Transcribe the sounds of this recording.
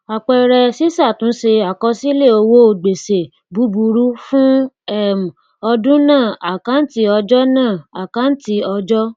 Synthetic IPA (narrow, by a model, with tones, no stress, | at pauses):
a˨k͡pɛ˧˨ɾɛ˧si˦sa˦˨tũ˨˦se˧a˨kɔ˧˦si˦le˦˨o˧wo˦o˧ɡ͡be˨se˨ | bu˨˦bu˧ɾu˦fũ˦ | ɛ˦˨m˨ | ɔ˧dũ˦nãː˦˨a˨ka˨˦n̩˦ti˧˦ɔ˧d͡ʒɔ˦nãː˦˨a˨ka˨˦n̩˦ti˧ɔ˧d͡ʒɔ˦